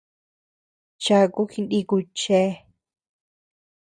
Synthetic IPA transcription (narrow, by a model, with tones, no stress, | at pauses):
t͡ʃa˧ku˦xi˧ndi˧ku˧t͡ʃe˦